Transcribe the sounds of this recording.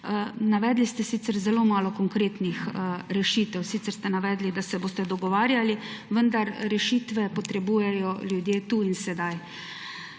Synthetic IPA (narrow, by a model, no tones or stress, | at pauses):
naʋɛːd̪list̪ɛsiːt̪sɛɾzɛloːmaːlɔkɔŋkɾeːt̪nixɾɛʃiːt̪ɛwsiːt̪sɛɾst̪ɛnaʋɛːd̪lid̪asɛboːst̪ɛd̪ɔɡɔʋaːɾjaliʋənd̪aɾɾɛʃiːt̪ʋɛpɔt̪ɾɛbuːjɛjɔljud̪jeːt̪uinsɛd̪aj